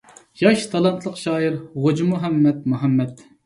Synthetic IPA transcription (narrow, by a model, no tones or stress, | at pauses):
jɑʃt̪ʰɑlˠɑnt̪ʰlˠəqʃɑːiɾʁod͡ʒimuɦɛmːɛt̪̚muɦɛmːɛt̪